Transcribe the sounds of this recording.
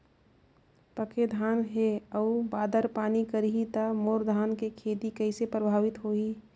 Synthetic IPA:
pəkʰed̪ʱaːnɦeəubaːd̪əɾpaːnikəɾiɦit̪amoːɾd̪ʱaːnkekʰeːd̪ikəisepɾəbʱaːʋɪt̪ɦoːɦi

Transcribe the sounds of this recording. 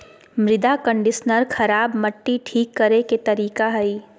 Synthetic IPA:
mɾɪd̪akə̃ɳɖɪʃnəɾxʰɐɾaːbmɐʈːiʈʰiːkːɐɾeket̪ɐɾiːkaɦɐiː

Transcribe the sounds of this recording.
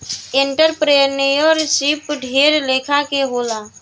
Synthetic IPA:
ɪ̃ɳʈəɾpɾenujɔːɾsipɖʱeːɾleːkʰakeɦoːlaː

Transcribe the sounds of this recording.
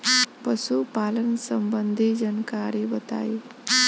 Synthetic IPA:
pəsupaːlənsəmbənd̪ʱid͡ʒənkaɾibət̪a̰i

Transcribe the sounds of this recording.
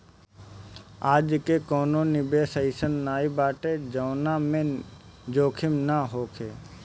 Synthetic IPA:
aːd͡ʒkekoːnõːnɪbeːsəɪsənːaːibaːʈed͡ʒəːnamẽd͡ʒoːkʰɪmnaɦoːkʰeː

